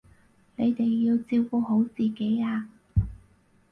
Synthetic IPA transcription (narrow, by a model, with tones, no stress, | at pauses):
ne˨˧jt̪e˨jːiː˧wt͡siː˧wku˧ɦo˨˥wt͡siː˨˩ke˨˥jaː˧